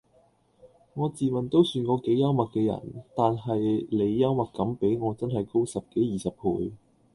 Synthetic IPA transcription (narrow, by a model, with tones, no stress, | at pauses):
ŋɔː˨˧t͡siː˨mɐ˨nt̪o˥wsyː˧nkɔː˨˧ke˨˥jːɐ˥wmɐ˨k̚kɛː˧jɐ̰˨˩nt̪aː˨nɦɐ˨jle˨˧jːɐ˥wmɐ˨kkːɐ˨˥mpe˨˥jŋɔː˨˧t͡sɐ˥nɦɐ˨jko˥wsɐ˨p̚ke˨˥jjiː˨˩sɐ˨p̚hʰuː˨˧j